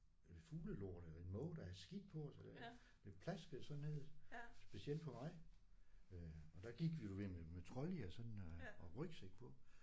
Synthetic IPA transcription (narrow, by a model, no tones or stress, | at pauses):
fuːləlo̝ɐ̰ɾ̥elɐe̝nmɔ̽ːʊd̥ææsɡ̥id̥̚pʰɒ̽sɒd̥e | d̥e̝̥pʰlæsɡ̥əð̩ˠsɒ̽nnːe̝ð̰ˠsb̥e̝siel̰d̥pʰɒ̽mɑ̈ɪ | øɒ̽d̥æɡ̥iɡ̥ʋi̥uʋememet͡sʰʁɒliɐsɒ̽d̥nɒʁœɡ̥seɡ̥̚pʰɒ̽